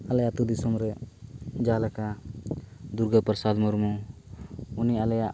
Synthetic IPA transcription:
alajat̪ud̪isɔmɾɛ | d͡ʒalaka | d̪uɾɡəpɾsad̪mɔɾmu | unialaja

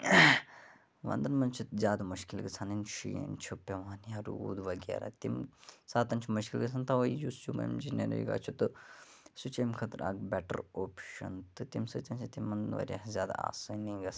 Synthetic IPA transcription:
ʋɐ̰nd̪ɐnmɐnt͡ʃʰut̪zʲaːd̪muʃkilɡɨt͡sʰanint͡ʃʰijent͡ʃʰupʲɐʋaːnjaɾud̪ʋɐɡʲḛɾa̰t̪imsaːt̪ɐnt͡ʃʰumuʃkilɡɨt͡sʰant̪ɐʋɐijust͡ʃʰumɐ̰jmd͡ʒinḛɾɐ̰jɡa̰ːt͡ʃʰut̪ɨsut͡ʃɐmkʰɐt̪ɾʔa̰ːɡ̚bɛʈə̰ɾoːpʃɐ̰nt̪ɨt̪imsɨt̪ʲɐnt͡ʃʰit̪imːɐnʋɐ̰ɾʲazʲjaːd̪a̰a̰ːsɨniɡɐs

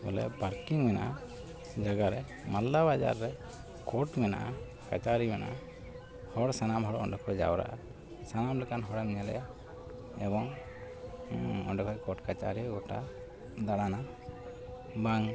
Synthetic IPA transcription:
ṵlɛ̰baɾkiŋmɛnaʔa | d͡ʒaɡaɾɛ | malːabad͡ʒa̰ɾːɛ | kɔʈmɛna̰ʔa | kat͡ʃaɾimɛna̰ʔa | hɔɽsanamɦɔɽɔ̰ɳɖɔkʰɔd͡ʒa̰wɾa̰ʔa̰ | sanamlɛkanɦɔɽamɲalɛ̰ja | ɛbɔŋ | ɔ̰ɳɖɔkʰɔʔkɔʈkat͡ʃa̰ɾiɡɔʈa̰ | d̪aɽana | baŋ

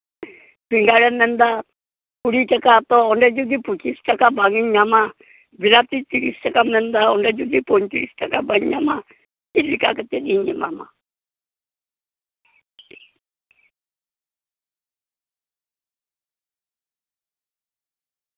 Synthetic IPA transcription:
b̥iŋɡaɺɛmɛnd̪a | kuɽit͡ʃakat̪ɔɔndɛd͡ʒud̪ipukist͡ʃakabaŋiɲama | biɾat̪itiɾist͡ʃakamɛnd̪aɔndɛd͡ʒud̪ipɔnt͡ʃiɾist͡ʃakabaŋɲama | ilikakat̪ɛɗiɲɛma̰ma̰

